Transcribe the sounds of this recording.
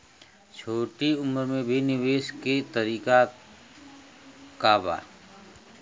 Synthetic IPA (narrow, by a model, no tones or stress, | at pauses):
t͡ʃʰoːʈiʊməɾmẽbʱinɪʋeːʃkit̪əɾiːka | kaːba̰ː